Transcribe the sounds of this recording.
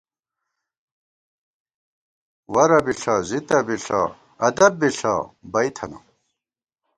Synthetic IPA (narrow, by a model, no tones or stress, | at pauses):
wɐɾɐbiɬazit̪ɐbiɬa̰ | ɐd̪ɐbːiɬa̰bɐjt̪ʰɐna̰